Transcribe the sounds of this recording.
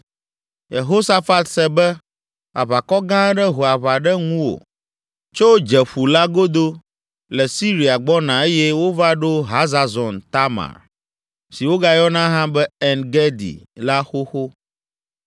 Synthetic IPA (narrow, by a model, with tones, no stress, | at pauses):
je˨ɦo˦sa˦fa˦t̪sɛ˨bɛ˦ | a̰˨βa˨kɔ˦ɡã˦ɖɛ˦ɦo˨a˨βa˨ɖɛ˦ŋũ˦wo̰˨ | t͡ʃo˦wd͡ʒɛ˨ɸu˨la˦ɡo˦d̪o˦ | lɛ˨si˦ɾi˨a˨ɡ͡bɔ˦nã˨e˦jɛ˦wo˦va˦ɖo˦ɦa˦za˨zɔ˨nt̪a˦mã̰˨ɾ | si˨wo˦ɡa˦jɔ˦nã˦ɦã˦bɛ˦ɛ˨nɡɛ˦d̪ḭ˨la˦xo˦xo˦